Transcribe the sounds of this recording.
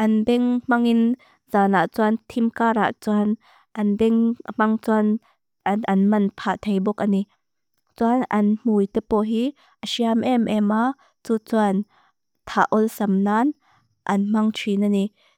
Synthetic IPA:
ʔɐnbɛŋm̥ɐŋin | z̥aːnaʔt͡suant̪ʰimkaːɾa̰ʔt͡suan | ʔɐnbɛŋm̥ɐŋt͡suan | ɐnmɐnpʰaʔt̪ʰejbɔk̚əni | t͡suanɐnm̥ujt̪ɛpɔɦi | ʔəsiamʔɛmʔɛma | t͡sut͡suan | t̪ʰaʔɔlsɐmnaːn | ʔɐnm̥ɐŋtʰwinɐni

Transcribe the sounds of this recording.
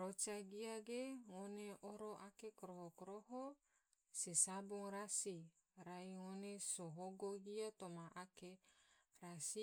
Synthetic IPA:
ɾot͡ʃaɡiaɡeŋoneoɾoʔakekɾohokɾoɦo | sisaboŋɾasi | ɾajŋonesoɦoɡoɡiat̪omaʔakeɾasi

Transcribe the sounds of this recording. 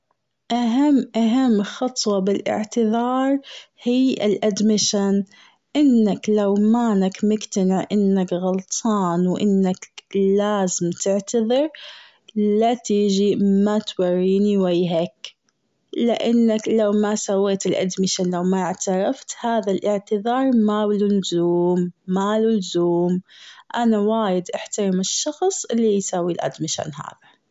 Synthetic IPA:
ʔaɦamːʔaɦamːxɑt̪ˤwɑbɪlʔɪ̰ʕt̪ɨðɑːɾˤ | hiːʔɪ̰lʔad̪mɪʃan | ʔɪnːaklawmaːnakmʊɡt̪anɪʕʔɪnːakɣʊlt̪ˤʰɑːnwʔɪnːaklaːzɪmt̪ɪʕt̪ɑðˤɨɾ | lat̪iːd͡ʒimat̪wɑrːiːniwajɦak | lɪʔanːaklawmasawːeːt̪ɪlʔa̰d̪mɪʃalawmaʕt̪ɑɾˤɑft̪haːðalʔɪʕt̪ɪðɑːɾˤmawlʊnzuːmːalʊlzuːmʔanawaːjɪd̪ʔaħt̪ɑɾˤɪmɪʃːɑxsˤʔɪlːijsaːwilʔa̰d̪mɪʃʕa̰nɦa̰ːða

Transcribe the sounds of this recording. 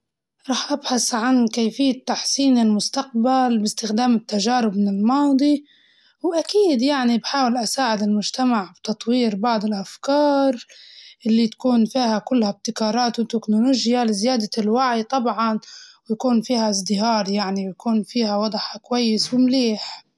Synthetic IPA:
ɾˤɑːħʔabħasʕankeːfɪjːat̪ːaħsiːnɪlmʊst̪aq̚balbɪst̪ɪxd̪aːmɪt̪ːaʒaːɾɪb̚mɪnɪlmɑːd̪ˤi | wʔakiːd̪jaʕnibħaːwɪlʔasaːʕɪd̪ɪlmʊʒt̪amaʕbt̪ɑt̪ˤwiːɾbɑʕd̪ˤɪlʔafkɑːɾˤʔɪlːit̪ḁkuːnfiːhakʊlːhab̚t̪ɪkɑːɾˤɑːt̪wɪt̪ːɪknoloːʒjalɪzɪjaːd̪alwaʕjt̪ˤɑbʕɑnwjakuːnfiːhaɪzˤd̪ɪɦɑːɾˤjaʕnibjakuːnfiːhawɑd̪ˤħakwajːɪswɪmleːħ

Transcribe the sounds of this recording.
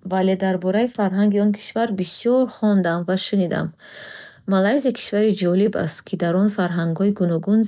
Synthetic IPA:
vale̞d̪aɾbɔɾaifaɾɦaŋɡiɔnkʰi̥ʃvaɾbisiɔɾχɔnd̪amvaʃunid̪a̰mː | alajzikʰi̥ʃvaɾid͡ʒɔliba̰st̪kʰid̪aɾɔnfaɾɦaŋɡɔiɡunɔɡunz

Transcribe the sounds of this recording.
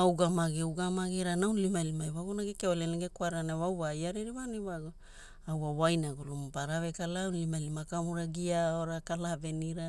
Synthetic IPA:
awɡamaɡeuɡamaɡiɾanawnlimalimajwaɡunaɡekeoleneɡekwaɾanawawajaɾeɾiβaniβaɡ | awawajnaɡulumpaɾaβekalanlimalimakamuɾaɡiaoɾakalaveniɾa

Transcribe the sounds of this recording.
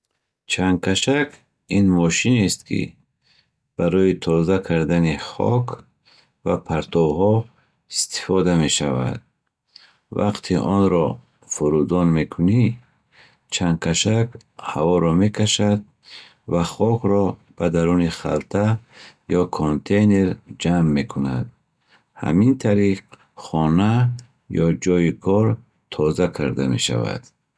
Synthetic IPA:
t͡ʃʰaŋkʰaʃakʰ | inmɔʃinest̪kʰḭ | b̥aɾɔjit̪ʰɔzakʰaɾd̪aniχɔ̰kʰ | vapʰaɾt̪ʰɔbhɔ | ist̪ʰi̥fɔd̪ame̞ʃava̰d̪̚ | va̰qt̪ʰiʔɔnɾɔ | fuɾud̪ɔnme̞kʰuni | t͡ʃʰaŋkʰaʃakhavɔɾɔme̞kʰaʃad̪̚ | vaχɔkɾɔb̥ad̪aɾuniχa̰lt̪ʰajɔkʰont̪ʰe̞jneɾd͡ʒamːe̞kʰuna̰d̪̚ | ha̰mint̪ʰaɾiq | χɔna | jɔd͡ʒɔjikʰɔɾ | t̪ʰɔzakʰaɾd̪ame̞̰ʃa̰va̰d̪̥

